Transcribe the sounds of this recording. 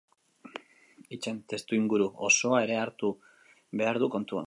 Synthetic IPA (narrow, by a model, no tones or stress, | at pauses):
it͡ʃe̞nt̪e̞st̪uiŋɡuɾuoso̞ae̞ɾe̞aɾt̪u | βe̞aɾðuko̞nt̪ua̰